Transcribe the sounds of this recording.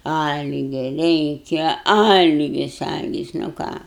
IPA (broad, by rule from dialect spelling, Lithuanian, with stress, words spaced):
ˈɐlʲɡʲɛ ˈrʲɛɪkʲɛ ˈɐlʲɡʲɪs ˈɐlʲɡʲɪs nʊ ˈkɑː